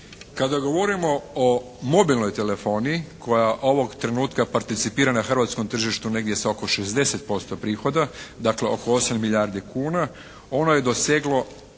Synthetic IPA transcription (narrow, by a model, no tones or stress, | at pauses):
kad̪aɡo̞ʋo̞ɾimo̞o | mo̞bilno̞jt̪e̞le̞fo̞ːniːkʰo̞jaʔo̞ʋo̞ɡt̪ɾe̞nuːt̪kapaɾt̪it̪sipiːɾanaxr̩ʋat̪sko̞mt̪r̩ʒiʃt̪une̞ɡd̪je̞sao̞ko̞ʃe̞zd̪e̞set̪̚po̞st̪o̞pɾiːxo̞d̪ad̪akle̞o̞ko̞o̞samːiʎaːɾd̪ikuːna | o̞no̞je̞d̪o̞sjeɡlo̞